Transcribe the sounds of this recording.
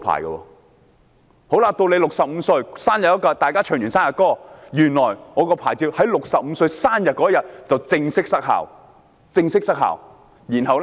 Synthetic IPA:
pʰa̰ː˨˩jɡɐ̰˧wɔ̰ː˧ | ho˨˥wlaː˧t̪o˧wle˨˧jlʊ˨k̚sɐ˨p̚m̩˨˧sɵ˧ɥsaː˥njɐ˨˩t̚ːɐ˥kɔː˧t̪aː˨jkaː˥t͡ʃʰœː˨˩ŋjyː˨˩nsaː˥jɐ˨t̚kɔː˥jyː˨˩nlɔː˨˩jŋɔː˨˧kɔː˧pʰaː˨˩jt͡siː˧hɐ˨˥jlʊ˨k̚sɐ˨p̚m̩˧˥sɵ˧ɥsaː˥njɐ˨t̚kɔ˨˥ɐ˥jɐ˨t̚t͡sɐ˨˩wt͡sɪ˧ŋsɪ˥k̚sɐ˥k̚ɦa̰ː˨˩w | t͡sɪ˧ŋsɪ˥k̚sɐ˥k̚ɦa̰ː˨˩w | jiː˨˩nhɐ˨w

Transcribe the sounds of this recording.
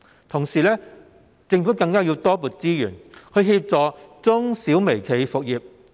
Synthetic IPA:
t̪ʰʊ˨˩ŋsiː˨˩lɛː˥ | t͡sɪ˧ŋfu˨˥kɐ˧ŋkaː˥ji˧wt̪ɔː˥puː˨t̚t͡siː˥jyː˨˩nkʰɵ˨˧ɥɦiː˧p̚t͡sɔː˨˧t͡sʊ˥ŋsiː˨˥wme˨˩jkʰe˨˧jfʊ˨k̚jiː˨˧p̚

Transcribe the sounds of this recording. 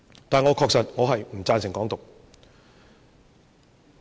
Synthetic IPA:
t̪aː˨nŋɔː˨˧˥kʰɔː˧k̚sɐ˨t̚ŋɔː˨˧ɦɐ˨jm̩˨˩t͡saː˧nsɪ˨˩ŋkɔː˨˥ŋt̪ʊ˨k̚

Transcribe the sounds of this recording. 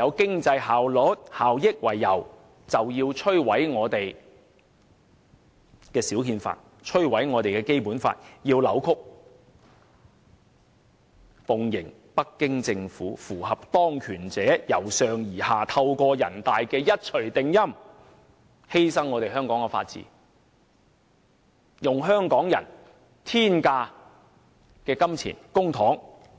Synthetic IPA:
jɐ˨˧wkɪ˥ŋt͡sɐ˧jhaː˨wlɔ˨˥t̚haː˨wjɪ˥k̚wɐ˨˩jːɐ˨˩w | t͡sɐ˨wjiː˧wt͡ʃʰɵ˥ɥwɐ˨˥jŋɔː˨˧t̪e˨j | kɛː˧siː˨˥wkʰiː˧nfa̰ː˧t̚ | t͡ʃʰɵ˥ɥwɐ˨˥jŋɔː˨˧t̪e˨jkɛː˧ke˥jpuː˨˥nfa̰ː˧t̚jiː˧wlɐ˨˥wkʰʊ˥k̚ | fʊ˨˧ŋjɪ˨˩ŋ | pɐ˥kːɪ˥ŋt͡sɪ˧ŋfuː˨˥fuː˨˩hɐ˨p̚t̪ɔː˥ŋkʰyː˨˩nt͡sɛː˨˥jɐ˨˩wsœː˨ŋjiː˨˩haː˨t̪ʰɐ˧wkɔː˧jɐ˨˩nt̪aː˨jkɛː˧jɐ˥t̚t͡ʃʰɵ˨˩ɥt̪ɪ˨ŋjɐ˥m | he˥jsɐ˥ŋːɔ˨˧t̪e˨jhœː˥ŋkɔː˨˥ŋkɛ˧fa̰ː˧t̚t͡sḭː˨˥ | jʊ˨ŋɦœː˥ŋkɔː˨˥ŋjɐ̰˨˩n | t̪ʰiː˥nkaː˧ | kɛː˧kɐ˥mt͡sʰḭː˨˩nkʊ˥ŋt̪ʰɔː˨˥ŋ

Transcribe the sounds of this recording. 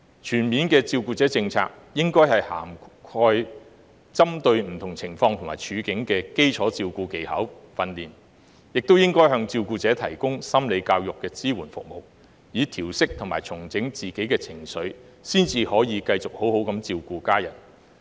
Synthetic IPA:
t͡ʃʰyː˨˩nmiː˨˧nkɛː˧t͡siː˧wkuː˧t͡sɛː˨˥t͡sɪ˧ŋt͡sʰa̰ː˧k̚ | jɪ˥ŋkɔː˥jhɐ˨˩jha̰ː˨˩mkʰɔː˧j | t͡sɐ˥mt̪ɵ˧ɥm̩˨˩t̪ʰʊ˨˩ŋt͡sʰɪ˨˩ŋfɔː˧ŋt̪ʰʊ˨˩maː˨˩t͡ʃʰyː˨˧kɪ˨˥ŋkɛː˧ke˥jt͡sʰɔː˨˥t͡siː˧wkuː˧ke˨˧jhɐ̰˨˥wfɐ˧nliː˨˩n | jɪ˨k̚t̪wjɪ˥ŋkɔː˥jɦœː˧ŋt͡siː˧wkuː˧t͡sɛː˨˥t̪ʰɐ̰˨˩jkʊ˥ŋsɐ˥mle˨˧jkaː˧wjʊ˨kːɛː˧t͡siː˥wuː˨˩nfʊ̰˨k̚mo˨˩w | jiː˨˧t̪ʰiː˨˩wsɪ˥k̚t̪ʰʊ˨˩maː˨˩jt͡sʰʊ˨˩ŋt͡sɪ˨˥ŋt͡siː˨˩ke˨˥jkɛː˧t͡sʰɪ˨˩ŋsɵ˨˥ɥ | siː˥nt͡siː˧hɔː˨˥jiː˨˧kɐ˧jt͡sʊ˨k̚ho˨˥who˨˥wkɐ˨˥mt͡siː˧wkuː˧kaː˥jɐ̰˨˩n

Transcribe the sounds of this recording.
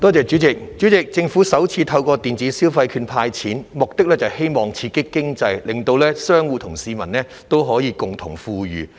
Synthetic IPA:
t̪ɔː˥t͡sɛː˨t͡ʃy˨˥t͡sɪ˨k̚t͡ʃyː˨˥t͡sɪ˨k̚t͡sɪ˧ŋfu˨˥sɐ˨˥wt͡sʰiː˧t̪ʰɐ˧wkɔː˧t̪iː˨nt͡siː˨˥siː˥wfɐ˧jkʰyː˧npʰaː˧jt͡sʰiː˨˥nmʊ˨k̚t̪ɪ˥k̚lɛː˥t͡sɐ˨˩whe˥jmɔː˨˩ŋt͡sʰiː˧kɪ˥kːɪ˥ŋt͡sɐ˧jlɪ˨ŋt̪o˧wlɛː˥sœː˥ŋwuː˧t̪ʰʊ˨˩ŋsiː˧mɐ˨˩nlɛː˥ | t̪o˥wɦɔː˨˥jiː˧kʊ˨ŋt̪ʰʊ˨˩ŋfuː˧ɥyː˨

